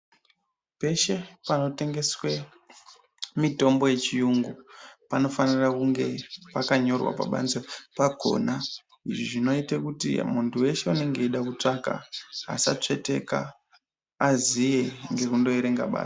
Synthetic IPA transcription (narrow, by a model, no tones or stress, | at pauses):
pe̞ʃe̞pano̞te̞ŋɡe̞swe | mito̞mbo̞je̞t͡ʃijuŋɡupano̞fanirakuŋɡe̞pakaɲo̞rwa̰pa̰ɓa̰nzapaɡʱo̞̰na | iʐiʐino̞itekutḭmuntuwe̞ʃe̞une̞ŋɡe̞iɗakut͡ʂaka̰a̰sa̰t͡ʂe̞te̞̰ka̰ː | zijeŋɡe̞kundo̞eɾe̞ŋɡa̰ɓa̰ːḁ